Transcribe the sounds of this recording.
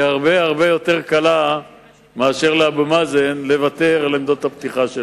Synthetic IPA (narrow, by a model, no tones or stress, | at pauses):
aʁbehaʁbe̞jo̞teʁkala | meaʃe̞ʁleabumazenle̞vat̪e̞ʁlimd̪ot̪hapt̪iχaʃe